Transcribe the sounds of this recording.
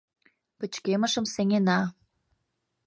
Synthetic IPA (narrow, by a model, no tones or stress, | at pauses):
pə̆t͡ɕkemə̆ʃə̆mseŋenɑ